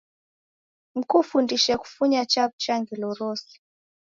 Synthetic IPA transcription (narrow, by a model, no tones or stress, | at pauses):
m̩kufundiʃɛku̥fuɲat͡ʃabut͡ʃaŋɡilɔɾɔsi̥